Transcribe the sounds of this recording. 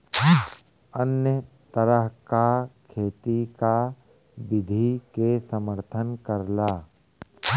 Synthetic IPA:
ənjət̪əɾəɦkakʰeːt̪ika | bɪd̪ʱikesəməɾt̪ʰənkəɾlaː

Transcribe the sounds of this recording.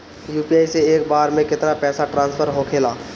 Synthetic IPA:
juːpiaːjseeːk̚baːɾmẽkɪt̪napɛːsaʈɾãːnspʰəɾɦokʰeːlaː

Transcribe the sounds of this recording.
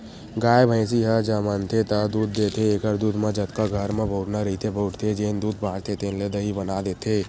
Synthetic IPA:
ɡaːebʱə̃ɪ̃s̬iɦəd͡ʒɐmənt̪ʰet̪ɐd̪uːd̪ːeːt̪ʰeekəɾd̪uːd̪mẽd͡ʒɐt̪kaɡʱəɾmẽbʱoːʈnaɾɐit̪ʰebʱoːʈt̪ʰed͡ʒeːnd̪uːd̪̚bʱaːɽt̪ʰet̪enled̪əɦibɐnad̪eːt̪ʰeː

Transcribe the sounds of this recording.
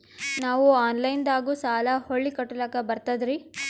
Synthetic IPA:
naːʋuaːnlɐjnd̪aːɡuːsaːlɐhoɭːikɐʈːulɐkːɐbɐɾt̪ɐd̪ɾi

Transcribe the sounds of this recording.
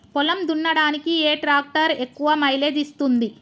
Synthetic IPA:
pɔlɐmd̪unːɐɽaːnikieːʈɾaːk̚ʈɐɾe̞kːuʋɐmɐjleːd̪ist̪und̪i

